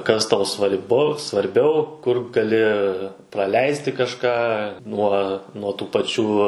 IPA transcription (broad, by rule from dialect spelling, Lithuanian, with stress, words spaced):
kɐs ˈtɐʊ sʋɐrʲˈbʊ sʋɐrʲˈbʲɛʊ kʊr ɡɐˈlʲɪ prɐˈlʲɛɪsʲtʲɪ kɐʃˈkɑː ˈnuɔ nuɔ tuː pɐˈt͡ʃʲuː